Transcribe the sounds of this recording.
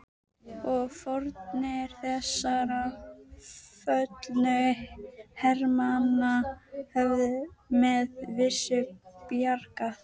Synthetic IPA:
ɔɣfɔɾt̪nɪɾ̥θɛsːaɾa | fœt̪lnʏ | hɛɾmanːahɛvðʏmɛðvɪsːʏpjarkaθ

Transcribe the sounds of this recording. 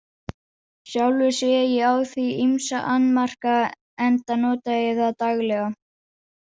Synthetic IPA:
sjawlvɪsɛjɪawθviimsaʔanːmar̥ka | ɛnt̪anɔːt̪aɪθaðt̪aɣlɛɣa

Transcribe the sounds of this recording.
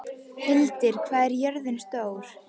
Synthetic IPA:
hɪlt̪ɪɾ̥kʰvaːðɛɾjœɾðɪnst̪oːwɾ̥

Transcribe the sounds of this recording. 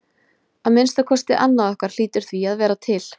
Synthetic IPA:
aðmɪnst̪akʰɔst̪ɪʔanːaðɔhkaɾ̥l̥iːt̪ʏɾ̥θviaðvɛːɾat̪ʰɪl̥

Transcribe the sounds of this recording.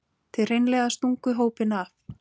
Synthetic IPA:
t̪ʰɪrejnlɛːɣast̪uŋkʏɦoːwpɪnaf

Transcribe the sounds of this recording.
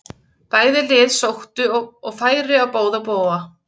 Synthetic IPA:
paːjðɪlɪːðsowht̪ʏɔɣfaːjɾɪawpoːwðapoːwa

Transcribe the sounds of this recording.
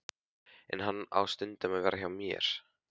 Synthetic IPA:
ɛ̰nɦanːa̰wst̪ʏnt̪amɛðvɛːɾaçawmjɛ̰ɾ̥

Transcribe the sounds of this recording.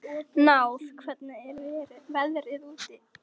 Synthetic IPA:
nawθkʰvɛt̪naɛɾvɪɾvɛðɾɪðuːt̪ɪ

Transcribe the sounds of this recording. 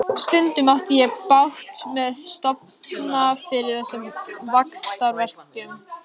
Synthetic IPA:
st̪ʏnt̪ʏmawft̪ɪjɛpawht̪mɛðst̪ɔp̚nnafɪɾɪɾ̥θɛsːʏmvakst̪aɾvɛr̥cʏm

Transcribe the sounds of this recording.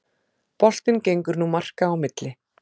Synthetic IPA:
pɔl̥t̪ɪncejŋkʏɾnumar̥kaːwmɪt̪lɪ

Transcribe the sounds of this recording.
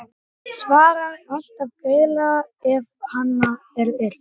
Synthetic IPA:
svaːɾaɾɔl̥t̪avkeːjlaɛvhanːa | ɛɾɛl̥

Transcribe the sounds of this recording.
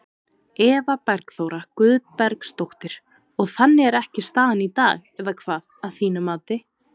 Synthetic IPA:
ɛːvapɛɾkθowɾakʏðpɛɾkst̪owht̪ɪɾ̥ | ɔɣθanːɪɛɾɛhcɪst̪aːðanit̪aːɣɛvakʰvaːðaðθiːnamaːwt̪ɪ

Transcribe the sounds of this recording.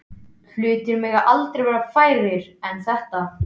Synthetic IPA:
θʏːt̪ɪɾmɪɣaʔalt̪ɾejvɛːɾafaːjɾɪɾɛnθɛht̪a

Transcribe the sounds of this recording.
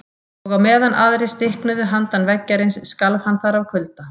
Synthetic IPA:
ɔɣawmɛːðanʔa̰ðɾɪst̪ɪhknʏðʏɦant̪anvɛcːaɾɪnsːkalvhanːθaɾawkʰʏlt̪a

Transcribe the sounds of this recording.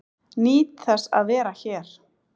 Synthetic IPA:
niːt̪θɛsa̰ðvɛːɾaçɛːɾ̥

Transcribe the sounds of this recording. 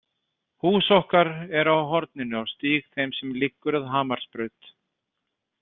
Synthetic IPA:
huːsɔhkaɾɛɾawɦɔɾt̪nɪnʏawst̪iːɣθejmsɛmlɪkːʏɾaðɦaːmaɾ̥spɾʏɥt̪

